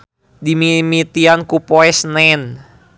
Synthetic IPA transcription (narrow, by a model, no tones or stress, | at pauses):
dimimit̪iankupoɛsnɛn